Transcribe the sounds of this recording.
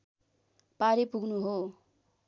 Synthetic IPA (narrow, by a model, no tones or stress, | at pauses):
paɾepuɡnuɦo